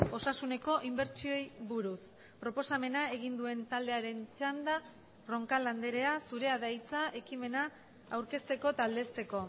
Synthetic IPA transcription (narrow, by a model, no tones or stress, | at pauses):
o̞sasune̞ko̞ʔimbe̞ɾt͡ʃio̞jβuɾus | pɾo̞po̞same̞nae̞ɣ̞ind̪ue̞nt̪ald̪e̞aɾe̞nt͡ʃand̪a | ro̞ŋkaland̪eɾe̞asuɾe̞aðajt͡saʔe̞kime̞naː | wɾke̞st̪e̞ko̞t̪ald̪e̞st̪e̞ko̞